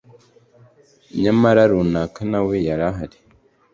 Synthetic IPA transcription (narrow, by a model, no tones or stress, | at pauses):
ɲamaɾaɾunakanawejaɾaɦaɾe̥